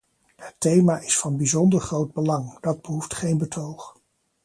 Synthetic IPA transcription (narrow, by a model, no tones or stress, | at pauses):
hətejmaːʔɪsfɑnbizɔndəɹχrowd̚bəlɑŋd̥ɑd̚bəɦuftχejnbətʰowχ